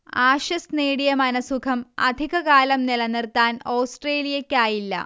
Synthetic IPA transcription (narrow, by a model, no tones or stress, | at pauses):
aːɕɐsneːɽijɐmɐnɐsukʰɐmɐ̰d̪ʱiɣɐkaːlɐmnilɐnirt̪ːaːnowsʈreːlijɐkʲːaːjilːɐ̰